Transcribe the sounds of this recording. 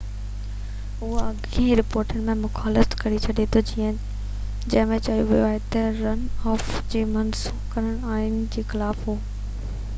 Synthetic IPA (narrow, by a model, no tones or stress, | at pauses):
ɦʊaɐɠĩːɾɪpoːɾʈənɪ̆mẽmʊxaːlət̪kɐɾit͡ɕʰɐɗet̪ʰod͡ʑiːə̃ | d͡ʑɐ̃ɦɪ̃mẽt͡ɕɐɦijoʋijoaːɦet̪ɐɾɐnɔːfd͡ʑeːmɐnsuːbkɐɾəɽ̃aːɦɪnɪ̆d͡ʑeːxɪlaːfɦoː